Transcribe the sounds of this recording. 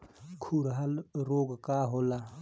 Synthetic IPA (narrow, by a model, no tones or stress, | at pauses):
kʰuɾɦalɾoːɡkaɦoːla